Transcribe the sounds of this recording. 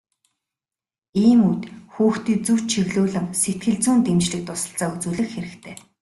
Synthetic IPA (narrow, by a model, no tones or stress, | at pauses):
iːmut̪xuːxt̪iːt͡sɵw̥t͡ɕt͡ɕʰiɣɮuːɮə̆mset̪̚ɡɘ̆ɮt͡suːnt̪emt͡ɕɮɘ̆k̚t̪ʊsə̆ɬt͡saːut͡suːɮɘ̆xxeɾɘ̆kt̪ʰeː